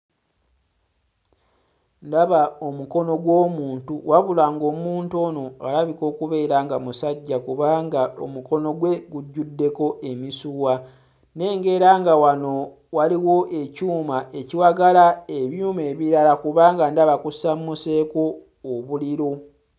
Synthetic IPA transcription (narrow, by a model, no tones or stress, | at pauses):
ndaβao̞muko̞no̞ɡwo̞ːmuːntuwaβulaːŋɡo̞ːmuːnto̞ːno̞a̰laβiko̞ːkuβe̞ːɾaːŋɡamusaɟːakuβaːŋɡao̰muko̞no̞ɡwe̞ɡuɟːudːe̞ko̞ʔe̞misuwa | ne̞ːŋɡe̞ɾaːŋɡawano̞ | waliwo̞ʔe̞cuːmaʔe̞ciwaɡalae̞βjume̞ːβiɾalakuβaːŋɡandaβakusammuse̞ːko̞ː | βuliɾo